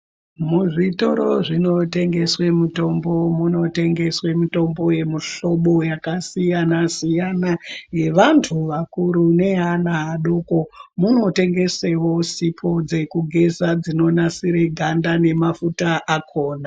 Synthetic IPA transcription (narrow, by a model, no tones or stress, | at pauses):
muʐito̞ɾoʐino̞te̞ŋɡe̞swe̞muto̞mbo̞muno̞te̞ŋɡe̞swe̞mito̞mbo̞je̞muɬo̞ɓo̞jakasijanasijanaje̞ʋantʰuʋakuɾune̞ɦanaɦaɗoːko̞muno̞te̞ŋɡe̞se̞wo̞sipʰo̞d͡ze̞kuɡʱe̞zad͡zino̞nasiɾe̞ɡʱandane̞mafutaʔakʰoːna